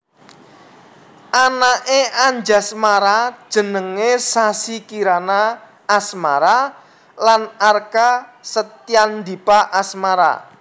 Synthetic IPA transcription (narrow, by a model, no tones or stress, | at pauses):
ʔanaʔeʔaɲd͡ʒasmaɾḁʒ̥ə̤nəŋesasikiɾanaː | sma̰ɾa | lanarkasət̪iand̪ipaʔasmaɾa̰